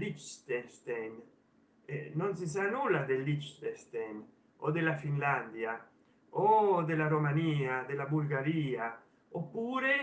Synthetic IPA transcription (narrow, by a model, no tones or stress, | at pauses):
lit͡ʃst̪est̪ɛn | eːons̬is̬anulːad̪elːit͡ʃt̪est̪en | od̪elafinland̪ja | od̪elaɾomaniːad̪elabulɡaɾiːa | opːuːɾe